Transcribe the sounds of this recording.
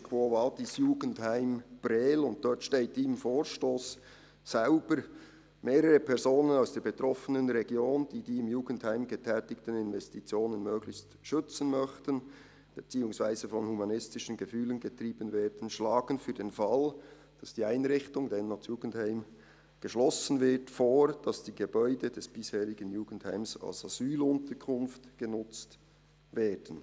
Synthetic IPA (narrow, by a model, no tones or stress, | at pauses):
kʰvovaːdisjuːɡən̩thaɪmb̥ɾɛːlʊnt̚d̥ɔtʃteːtɪmfoːɹʃtoːsː | aʊb̥əɾ | meːɾəʁəpʰɛɾzoːnənaʊsd̥eːɐbetʁɔfənənɾɛɡjoːnd̥iːdiːɪmjuːɡn̩thaɪmɡətʰɛːtɪktənɪnvɛstit͡sjoːnənmøːɡlɪçst | ʃʏt͡sən̩mœçtən | b̥et͡siːʊŋsv̥aɪzəfɔnhumɑnɪstɪʃənɡəfyːlənɡətriːbənvɛːdən̩ʃlaːɡ̥ənfyːdeːnfɑl | d̥ɑsd̥iːaɪnʁɪçtʊŋdɛnːɔtjuːɡn̩thaɪm | ɡ̥əʃlɔsən̩vɪtfoːɹd̥ɑsd̥iːɡ̥əbɔʏdədɛsb̥ɪsheːɾɪɡənjuːɡ̥ən̩thaɪmsa̰lsaz̥yːlʊntəɹkʰʊnftɡ̥ənʊt͡st | vɛːd̥ən̩